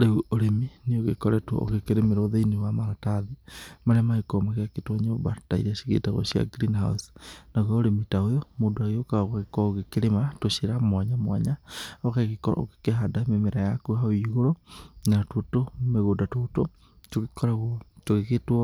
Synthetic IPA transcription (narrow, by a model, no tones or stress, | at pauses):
ɾeuoɾeminioɣekɔɾɛtwɔ̰o̰ɣekeɾemeɾoðeinewamaɾataðimaɾeamaikomaɣeaketwɔɲeobataḭɾaɕi̥ɣḛtaɣwɔ̰ʃia̰ɡɾinɦa̰usnaɣaoɾemitaojɔmodoaɣeokaaɣaɣekɔaoɣekeɾematoʃeɾamwaɲamwaɲaokaɣekɔɾa̰o̰kekeɦadamemeɾajakuɦaoiɣoɾonatotomeɣoːdatoto | toɣikɔɾaɣwɔtoɣeketwɔ